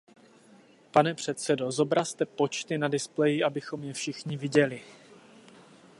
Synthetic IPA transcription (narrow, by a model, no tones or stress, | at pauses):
panɛpr̝̥ɛt̪sɛdo̞zo̞bɾast̪ɛpo̞t͡ʃt̪ɪnadɪsplɛjɪʔabɪxo̞mjɛfʃɪxɲɪvɪɟɛlɪ